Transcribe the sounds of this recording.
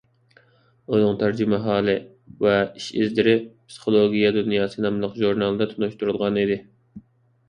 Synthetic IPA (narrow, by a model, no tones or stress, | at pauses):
onʊŋt̪ʰæɾd͡ʒymɛɦɑːlˠɨ | vɛiʃɪzd̪ɪɾɪpsɨ̥χolˠoɡʲijɛd̪unjɑːsɨnɑmlˠəqʒuɾnɑlˠɨd̪ɛt̪ʰunuʃt̪uɾulˠʁɑnid̪ɪ